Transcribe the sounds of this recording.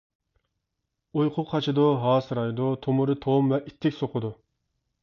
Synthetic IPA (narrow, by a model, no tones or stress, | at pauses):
ujqʰʊqʰːɑt͡ʃʰid̪uɦɑːsɨɾɑjd̪ut̪ʰomʊɾɨt̪ʰomvɛʔit̪ʰːɪkʲsoqʰʊd̪u